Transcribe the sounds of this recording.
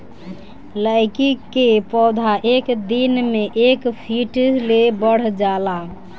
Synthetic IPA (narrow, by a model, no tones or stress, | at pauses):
ləɪkikepɔd̪ʱaʔekd̪inmeʔekpʰiʈlebəɽ̤d͡ʒala